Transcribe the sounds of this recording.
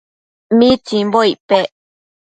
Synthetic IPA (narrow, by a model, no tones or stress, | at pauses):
mĩt͡ʃĩmboipe